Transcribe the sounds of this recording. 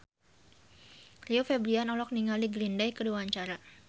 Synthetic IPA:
riofebɾianɔlɔk̚niŋaliɡɾindajkəduaːɲt͡ʃaɾa

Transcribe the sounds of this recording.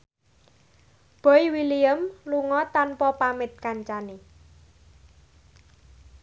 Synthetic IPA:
b̥o̤iwiliəmluŋɔt̪anpɔpamɪt̪̚kaɲt͡ʃani

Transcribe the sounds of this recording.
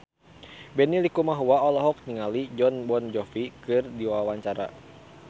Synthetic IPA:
bɛnilikumaɦuaɔlɔɦɔk̚niŋalid͡ʒɔnbɔnd͡ʒɔfikɨrdiwawaɲt͡ʃaɾa̰

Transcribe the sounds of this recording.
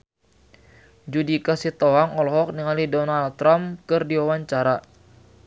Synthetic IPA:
d͡ʒudikasit̪oaŋɔlɔɦɔk̚niŋalidɔnalt̪ɾamkɨrdiwawaɲt͡ʃaɾa

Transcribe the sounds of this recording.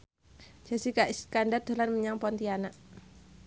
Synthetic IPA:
d͡ʒ̥asikaʔiskandard̪̥a̤lanməɲaŋpɔnt̪ianaʔ

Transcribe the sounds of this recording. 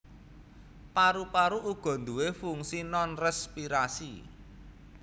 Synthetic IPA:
paɾupaɾuʔuɡ̥ɔ̤nd̪uwefuŋsinɔnrɛspiɾasi

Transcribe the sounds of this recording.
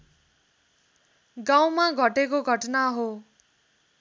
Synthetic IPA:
ɡaw̃maɡʱʌʈekoɡʱʌʈnaɦo

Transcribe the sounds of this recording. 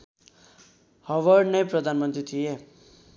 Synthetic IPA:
hʌʋʌrnʌjprʌd̪ʱanmʌnt̪rit̪ʰie

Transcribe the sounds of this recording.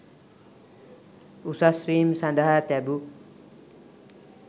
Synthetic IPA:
usasɾiːmsãnd̪əɦat̪ɛbu

